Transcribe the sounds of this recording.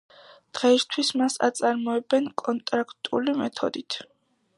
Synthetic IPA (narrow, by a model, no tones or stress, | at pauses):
d̪̥ʁɛist̪ʰwismasa̰t̪sʼaɾmɔɛbɛnkʼɔnt̪ʼɾakʰt̪ʼulimɛt̪ʰɔ̰d̪it̪ʰ